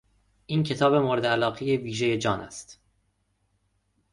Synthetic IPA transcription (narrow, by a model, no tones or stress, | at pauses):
ʔiːncʰe̞t̪ʰɒːbe̞moːɾed̪eælɒːɣejeviːʒe̞je̞d͡ʒɒːnæ̰st̪